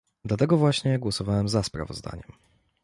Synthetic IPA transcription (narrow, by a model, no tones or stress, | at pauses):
d̪lat̪ɛɡɔvwaɕɲɛɡwɔsɔvawɛmzaspɾa̰vɔ̰zd̪a̰ɲɛm